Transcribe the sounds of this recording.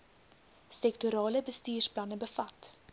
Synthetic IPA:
sɛktuɾɑːləbəstiːrsplɐnəbəfɐt

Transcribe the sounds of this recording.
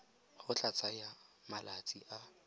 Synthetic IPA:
χʊt͡ɬʼat͡sʼajamalat͡sʼiʔa

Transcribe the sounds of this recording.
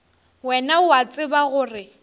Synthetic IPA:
wɛnaʊat͡sʼɪbaɣʊːrɪ

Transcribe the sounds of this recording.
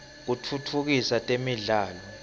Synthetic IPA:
k̬utʰutʰuk̬isatʼemiɮaːlɔ

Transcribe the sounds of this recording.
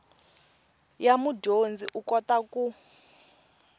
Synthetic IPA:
jamudond͡ziʔukɔtaku

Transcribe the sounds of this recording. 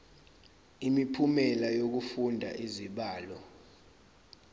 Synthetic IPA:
imipʰumɛlajok̬ufundʱa̰ʔiziɓaːlɔ

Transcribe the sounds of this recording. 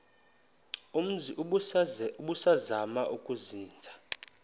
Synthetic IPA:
um̩ziʔ | uɓusazamaʔukʼuziːnd͡zʱḁ

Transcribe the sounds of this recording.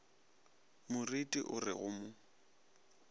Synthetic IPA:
mʊritʼiʔʊrɪ̰ɣʊmʊ

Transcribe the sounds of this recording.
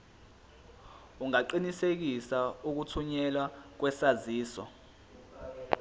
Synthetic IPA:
uŋaǃinisek̬isauk̬utʰuɲɛlwak̬wɛsaziːsɔ̰

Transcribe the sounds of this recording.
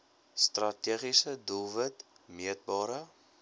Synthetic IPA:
strɐtiəχisədulˠvətmiət̚bɑːɾə

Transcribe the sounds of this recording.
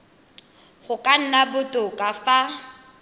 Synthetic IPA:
χʊkʼan̩nabʊtʼʊkʼafa

